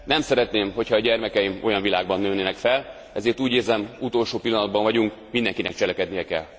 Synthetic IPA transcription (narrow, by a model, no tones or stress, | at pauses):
nɛmsɛɾɛt̪neːmho̞chɒːɟɛrmɛkɛjimo̞jɒɱvilaːɡbɒnːøːnːeːnɛkfɛl | ɛzeːrt̪uːɟeːzɛmut̪o̞lʃoːpilːɒnɒd̪bɒɱvɒɟuŋk | mind̪ɛŋkinɛk̚t͡ʃɛlɛkɛd̪nijɛkɛ̰lː